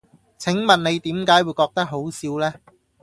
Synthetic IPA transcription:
t͡sʰɪ˨˥ŋmɐ˨nne˨˧jt̪iː˨˥mkaː˨˥jwu˨˧jkɔː˧k̚t̪ɐ˥k̚ɦo˨˥wsiː˧wlɛː˥

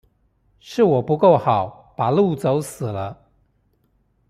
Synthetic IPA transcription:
ʂɻ̩˥˩wɔ˨˩pu˧˥ko˥˩ʊxɑ˨˩˦ʊ | pa˨˩lu˥˩t͡so˧˦ʊsɹ̩˨˩lə˦

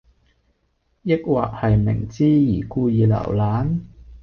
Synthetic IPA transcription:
jɪ˥k̚wa̰ː˨˩k̚hɐ˨jmɪ̰˨˩ŋt͡siː˥jiː˨˩kuː˧jiː˨˩lɐ̰˨˩wlaː˨˥n

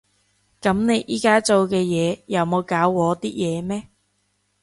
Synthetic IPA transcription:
kɐ˨˥mne˨˧jʔiː˨˥kaː˥t͡so˨˧wkɛː˧jɛː˨˧jɐ˨˧wmo˨˧wkaː˨˥wːɔː˨˧t̪iː˥jɛː˨˧mɛː˥

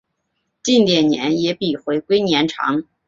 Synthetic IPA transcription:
t͡ɕi˥˩nt̪jɛ˨˩nnjɛ̰˧˥njɛ˧˥pi˨˩xwe˧˥ɪkwe˥ɪnjɛ˧˥nʈ͡ʂʰɑ̰˧˥ŋ

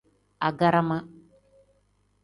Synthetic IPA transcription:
a˨ɡa˦ɾa˦ma˦

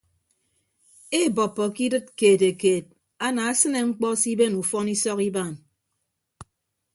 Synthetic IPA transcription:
e˦˨bɔ˨pːɔ˨ki˦dɨ˦t̚keː˨te˨keː˨t̚ | a˦na˨a˦sɨ˦ne˨ŋ͡m̩˦k͡pɔ˦si˦be˦nu˨fɔ˦ni˦sɔ˦ki˦ba˦˨n

